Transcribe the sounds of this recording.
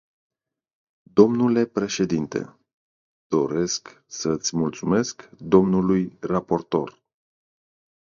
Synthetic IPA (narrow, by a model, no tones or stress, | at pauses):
d̪o̞mnule̞pɾe̞ʃe̞d̪int̪ḛ | d̪̥o̞ɾe̞sk | sət̪sʲmult̪sume̞skd̪o̞mnulujrapo̞rt̪o̞r